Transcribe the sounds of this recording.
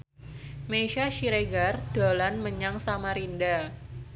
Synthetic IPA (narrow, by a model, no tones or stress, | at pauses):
meʃaʃiɾeɡard̥olanməɲaŋsamaɾinda